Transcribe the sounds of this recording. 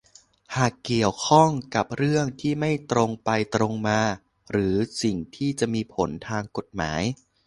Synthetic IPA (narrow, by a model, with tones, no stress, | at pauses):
haː˨˩kːi˨˩əwkʰɔ˥˩ŋka˨˩p̚ɾɯ˥˩əŋt̪ʰiː˥˩ma˥˩jt̪ɾo˧ŋpa˧jt̪ɾo˧ŋmaː˧ | ɾɯː˩˦si˨˩ŋt̪ʰiː˥˩t͡ɕa˨˩ʔmiː˧pʰo˩˦nt̪ʰaː˧ŋko˨˩t̪̚ma̰ː˩˦j